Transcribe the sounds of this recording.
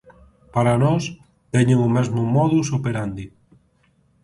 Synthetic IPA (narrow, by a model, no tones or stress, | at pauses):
paɾanɔs | t̪ɛɲeŋumɛzmʊmɔðusupeɾand̪i